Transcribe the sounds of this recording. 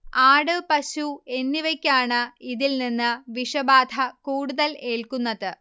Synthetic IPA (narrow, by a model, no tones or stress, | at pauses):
aːɽɨpɐɕue̞nːiʋɐkʲːaːɳɨiðilninːɨʋiʂɐbaːd̪ʱɐkuːɽuðɐle̞ːɭkunːɐðɨ